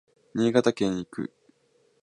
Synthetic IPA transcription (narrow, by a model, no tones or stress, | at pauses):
ɲ̟ʲiːɡat̪akẽ̞ɰ̃ikɯ̰